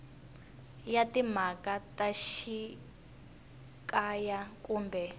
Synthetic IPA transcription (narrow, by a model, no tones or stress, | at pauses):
jatim̤akataʃi | kʼajakuːmbɛ